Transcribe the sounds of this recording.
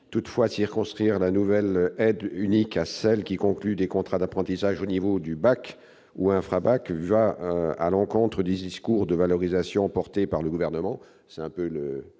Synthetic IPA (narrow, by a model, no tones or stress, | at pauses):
t̪ut̪fwasiʁkɔ̃st̪χiʁlanuvɛlɛd̪ynikasɛlkʲikɔ̃klyd̪ekɔ̃t̪χad̪apχɑ̃t̪isaʒonivod̪ybak | uɛ̃fχabakvaa̰lɑ̃kɔ̃t̪χəd̪ed̪iskuʁd̪əvalɔʁizasjɔ̃pɔʁt̪epaʁləɡuvɛʁnəmɑ̃ | sɛɛ̃pølə